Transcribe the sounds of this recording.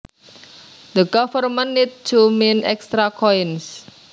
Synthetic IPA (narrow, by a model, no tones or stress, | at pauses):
d̪əɡɔfərmənːit̪̚t͡ʃumenɛkst̪ɾakʰɔjns